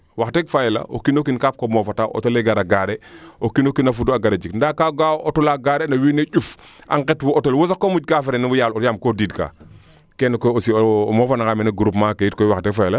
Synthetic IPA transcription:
waxtekfajla̰ʔo̰kinokinkaːp̚komɔːfataːʔo̰toleɡaɾaɡaɾeokinokinafuduaɡaɾed͡ʒikndaːkaɡaʔotulaɡaːɾenɐwineɟuf | ʔa̰ŋkɛtwuotolwosakːomuɟ̚kaːfeɾenibujaːlojaːmkodiːdka̰ː | kɛnkoosḭmɔːfanakameneɡuɾupmakejitkojwaxtɛkfajɛla

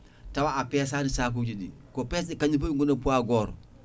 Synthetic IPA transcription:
tawaapeːs̬anisaːk̬uɟidḭ | kopeːs̬ikaɲipoŋɡonɐpuaɡoːɾ

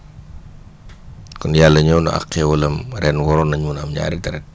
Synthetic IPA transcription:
kɔnjalːɐɲɔwnɐ̰ʔa̰kːɛwɐlɐmɾɛːnwɔɾɔnɐɲuːnamɲa̰ːɾitɐɾɛk̚

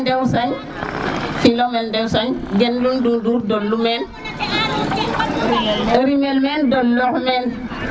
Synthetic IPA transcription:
dewsaɲ | filomɛldɛwsaɲɡenlunduduɾdolːumɛn | oɾimelmendolːohmɛn

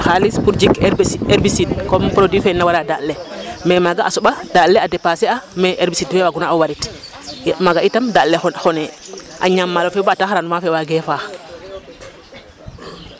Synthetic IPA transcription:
xalispuɾd͡ʒikɛɾbisidkɔmpɾodwifɛnawaɾadalːɛmɛmaɡaʔa̰sɔɓadalːɛadɛpasɛamɛʔɛɾbisidfɛwaɡunaɔwaɾit | jmaɡaʔitamdalːɛxɔnɛʔa̰ɲamːalɔfɛbaːtaxaɾanmafɛwaɡɛfaːx

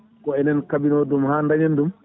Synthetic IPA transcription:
kɔɛnɛnkabinɔdumhandaɲandum

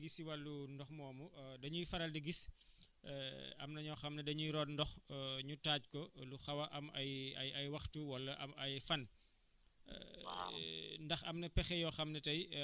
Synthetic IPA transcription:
ɡisiwɐlːundɔxmɔːmudɐɲujfɐɾɐldiɡis | ɐ̰mnɐɲɔxɐmnɛdɐɲujɾɔːnndɔxɲutaːc̚kɔluxɐwɐʔɐmɐjɐjɐjwɐxtuwɐlːɐʔɐ̰mɐjfɐn | ndɐxɐmnɐpɛxɛjɔxɐmnɛtɐj

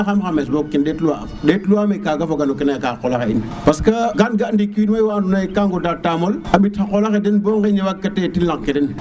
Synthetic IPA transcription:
xamxames̬bokːinɗetluamɗetluamekakafoɡanukinakakolaxein | paskaɡanɡandikiinwewandunaikaŋɡodatːamolabitxakolaxedenboŋɡeɲewakːatetinlaŋkedin

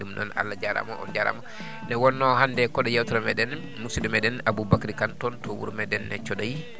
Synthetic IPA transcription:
dumnɔ̰na̰lːad͡ʒaɾa̰mɔ̰ʔɔ̰d͡ʒaɾa̰mɔ | nɛwɔnːɔhandɛkɔɗɔjawtɔɾɔmɛɗɛn | musidumɛɗɛnabubakɾikantɔntɔwṵɾmɛdɛnːɛ̰t͡ʃɔɗaji

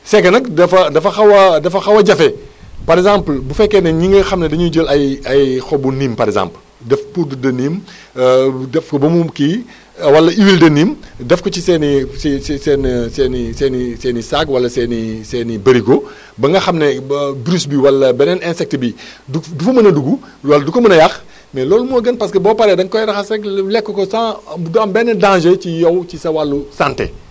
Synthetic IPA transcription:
sɛkːɐnɐk̚dɐfɐdɐfɐxɐwɐdɐfɐxɐwɐɟɐfɛ | pɐɾɛzãmplbufɛkːɛnɛɲiŋɡɐxɐmnɛdɐɲuɟəlɐjɐjxɔbuniːmpɐɾɛzã̰ːmpl | dɛfpurdudɐnːiːm | dɛfkɔbɐmuki | wɐlːɐiwildɐniːmdɛfkɔcisɛːnisisɛsɛːnsɛːnisɛːnisɛːnisakwɐlːɐsɛnisɛːnibɐɾikɔ | bɐŋɡɐxɐmnɛbɾusbiwɐlːɐbɛnɛnɛnsɛk̚təbi | dudufɐmɐnɐduɡu | wɐldukɐmɐnɐjɐx | mɛlɔːlumɔːɡɐnpɐskɐbɔːpɐɾɛdɐŋkɔjɾɐxɐsɛklɛkːɔkɔsãːbudɐmbɛnːɐdãːʒɐcijɔwt͡ʃisɐwalːusantɛ̰

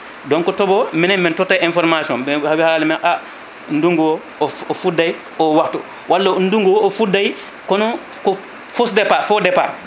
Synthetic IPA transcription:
dɔŋkɔtɔbɔmɛnɛmmɛntɔtːajʔinfɔɾmasiɔnbɛhawihalalimaʔa | nduŋɡuwɔ | ɔɔfudːaj | ɔwaktṵ | wʔalːaunduŋɡuwɔɔfudaj | kɔnɔ | kɔ | fosdɛpafɔdɛpa

